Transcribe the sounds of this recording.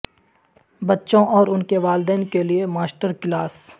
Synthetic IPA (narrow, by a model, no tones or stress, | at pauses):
bɐtːʃõʔɔːɾʊnkeʋaːld̪ɛːnkeliemaːsʈəɾkɪlaːs